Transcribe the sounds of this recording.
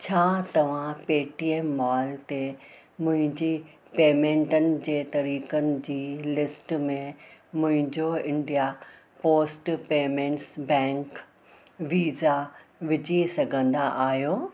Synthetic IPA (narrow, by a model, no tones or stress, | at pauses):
t͡ɕʰaːt̪ɐʋ̤ãpeːʈiːeːmːaːlt̪e | mʊ̃ɦɪ̃ɲd͡ʑi | peːmẽːɳʈənɪ̆d͡ʑeːt̪ɐɾiːkənɪ̆d͡ʑiːlɪsʈmẽmʊ̃ɦɪ̃ɲd͡ʑoɪ̃ɳɖija | poːsʈpeːmẽːɳʈsbɛ̃ːŋk | ʋiːzaʋɪd͡ʑisɐɡʱə̃nd̪aʔaːɦijoː